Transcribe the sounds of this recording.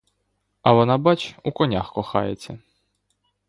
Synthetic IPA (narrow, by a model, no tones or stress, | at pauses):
ɐʋɔnɑbɑt͡ʃukɔnʲaxkɔxɑ̰jet͡sʲːɐ